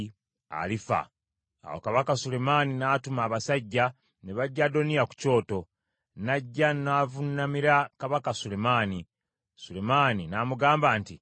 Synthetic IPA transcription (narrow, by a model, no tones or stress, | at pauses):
a̰lifa̰ | a̰wo̰kaβakasule̞maninaːtumaːβasaɟːa | ne̞βaɟːado̞nijaku̥co̞ːto̞ | naɟːanaːvunːamiɾakaβakasule̞maːni | sule̞maːninaːmuɡaːmbaːnti